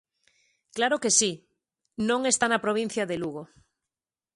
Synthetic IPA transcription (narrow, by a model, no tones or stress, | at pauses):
klaɾokesi | nõŋest̪anapɾoβ̞in̟θjaðeluɣ̞o